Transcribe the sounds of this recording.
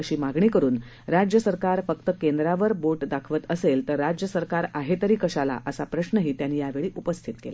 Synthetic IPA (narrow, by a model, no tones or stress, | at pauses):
əɕiːmaɡɳ̃iːkəɾuːn | ɾad͡ʑjəsəɾkaɾfəkt̪əkend̪ɾaʋəɾboʈd̪akʰʋət̪əselt̪əɾːad͡ʑjəsəɾkaɾaɦet̪əɾiːkəɕala̰ʔəsapɾəɕnəɦiːt̪janːiːjaʋeɭiːʔupəst̪ʰit̪kḛla